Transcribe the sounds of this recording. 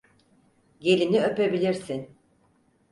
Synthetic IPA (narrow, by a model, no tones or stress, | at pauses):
ɟe̞lʲiniø̞pe̞bilʲiɾsin